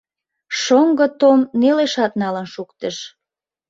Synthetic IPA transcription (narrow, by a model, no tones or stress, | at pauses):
ʃoŋɡə̆t̪omneleʃɑt̪̚nɑlənʃukt̪əʃ